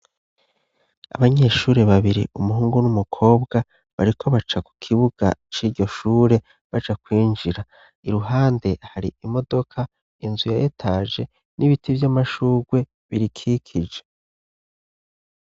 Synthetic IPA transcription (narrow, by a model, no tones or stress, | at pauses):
a̰βaɲe̞ʃuːɾe̞βaβiɾḭʔumuɦuːŋɡunumukʰo̞ːbɡa | βa̰ɾikʰo̞βat͡ʃaku̥kʰiβuɡ̥a̰t͡ʃiːɾɟo̞ʃuːɾe̞ | βad͡ʒakwiːnd͡ʒiɾa | iɾuɦaːnde̞haɾḭimo̞do̞kʰa | inzujajetʰaːʒe̞ | niβitʰivjamaʃuːɡwe̞ | βiɾikʰikʰid͡ʒe̞